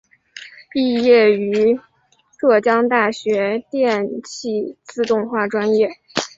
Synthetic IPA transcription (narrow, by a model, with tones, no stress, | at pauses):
i˥˧jɛ˥˩y˧˥ | kɤ˥˩t͡ɕjɑ˥ŋt̪a˥˩ɕɥɛ˧˥t̪jɛ˥˧nt͡ɕʰi˥˧t͡sɹ̩˥˧t̪ʊ˥˧ŋxwa˥˩ʈ͡ʂwa˥njɛ˥˩